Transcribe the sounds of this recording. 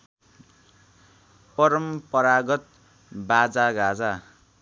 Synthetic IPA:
pʌɾʌmpʌɾaɡʌt̪̚ | bad͡zaɡʱad͡za

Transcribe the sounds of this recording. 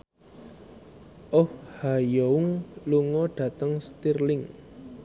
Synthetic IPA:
ʔɔhhajɔuŋluŋɔɖ̥ä̤t̪əŋst̪irlɪŋ

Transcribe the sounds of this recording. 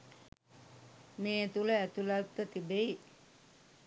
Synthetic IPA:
meːɛt̪uləæt̪ulalt̪ːət̪ibei

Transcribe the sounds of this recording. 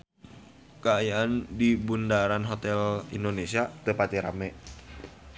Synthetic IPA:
kaajaandibundaɾanɦot̪ɛlḭndonesiat̪əpat̪iɾa̰mɛ

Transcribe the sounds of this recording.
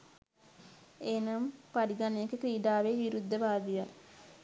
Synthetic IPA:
eːnɐmpaɾiɡɐneekekɾiːɖ̪aːʋeʋiɾud̪ʱːɐbaːd̪ija

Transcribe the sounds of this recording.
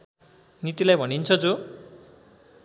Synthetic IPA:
nit̪ilajbʱʌnint͡sʰʌd͡zo

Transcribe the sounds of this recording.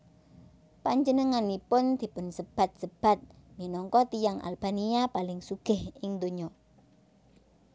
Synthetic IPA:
paɲd͡ʒənəŋanipʊnd̪̥i̤pʊnsəb̥a̤t̪̚səb̥a̤t̪̚ | minɔŋkɔt̪ijaŋʔa̰lb̥aniapalɪŋsuɡ̥ɪ̤hɪŋd̪oɲɔ

